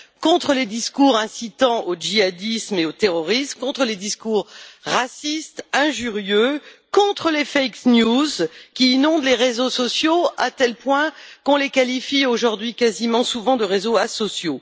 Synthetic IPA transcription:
kɔ̃t̪χəled̪iskuʁɛ̃sit̪ɑ̃ʔod͡ʒiad̪ismeot̪eʁɔʁismkɔ̃t̪χəled̪iskuʁːasist̪ɛ̃ʒyʁjøkɔ̃t̪χəlefɛjknjuzkʲiːnɔ̃d̪leʁezosɔsjoat̪ɛlpwɛ̃kɔ̃lekalifioʒuʁd̪ɥikazimɑ̃suvɑ̃d̪əʁezoasɔsjo

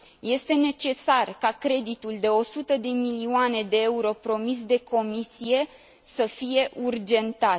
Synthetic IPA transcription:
je̞st̪e̞ne̞t͡ʃe̞sarkakɾe̞d̪it̪uld̪e̞o̞sut̪əd̪e̞milioane̞d̪e̞euɾo̞pɾo̞mis̬d̪e̞kʰo̞misije̞ | səfije̞ʔurd͡ʒe̞nt̪at̪

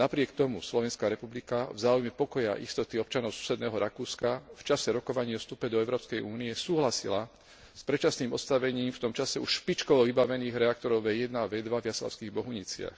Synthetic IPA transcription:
napɾɪɛkt̪ɔmṵslɔʋɛnskaɾɛpublikavzaːujmɛpɔkɔja̰ʔist̪ɔt̪iɔp̚t͡ʃanɔʊsu̥sɛd̪nɛːɦɔɾakuːskaft͡ʃasɛɾɔkɔʋaɲiːɔfst̪upɛd̪ɔɛʊɾɔːpskɛjʔuːniɛsuːɦlasḭla | spɾɛt͡ʃasniːmɔ̰t̪st̪aʋɛɲiːmft̪ɔmt͡ʃasɛuʃʃpit͡ʃkɔʋɔvibaʋɛniːɣɾɛak̚t̪ɔɾɔʊjɛjɛd̪naʋɛd̪ʋavjasla̰ʊskiɣbɔɦuɲit͡sɪa̰x

